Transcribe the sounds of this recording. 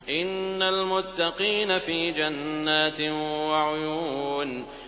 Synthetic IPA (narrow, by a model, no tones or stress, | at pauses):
ʔɪnːalmʊt̪ːɑqiːnafiːd͡ʒanːaːt̪waʕʊjuːn